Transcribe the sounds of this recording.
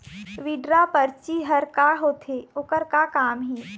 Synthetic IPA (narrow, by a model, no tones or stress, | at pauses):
ʋiːɖɾapɐɾt͡ʃiɦɐɾkaɦoːt̪ʰeːʊkəɾkakaːmɦiː